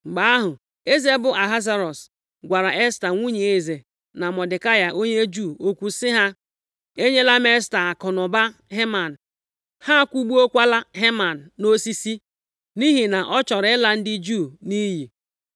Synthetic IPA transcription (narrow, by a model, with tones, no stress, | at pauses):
ŋ͡m̩˨ɡ͡ba˨˦a˦ɦʊ˨ | e˦ze˦bʊ˨a˨ɦa˦za˦ɾɔ˨s | ɡʷa˨ɾa˨ʔe˦sta˨ŋʷu˦ɲe˨e˨ze˨ | na˨mɔ˨dɪ˨ka˦ja˨ʔo˦ɲe˦d͡ʒu˦˨o˦kʷu˨sɪ˦ɦa˦ | e˦ɲe˦la˦m˦e˦sta˨a˨kɔ˨nʊ˨ba˦ɦe˦ma˨n̩˨ | ha˦kʷu˦ɡ͡bu˦o˦kʷa˦la˦ɦe˦ma˨n̩˨no˦si˦si˦ | ni˦ɦi˨na˨ʔɔ˦t͡ʃɔ˨ɾɪ˨˦ɪ˦la˦n̩˦dɪ˦d͡ʒu˦˨ni˦ɦi˨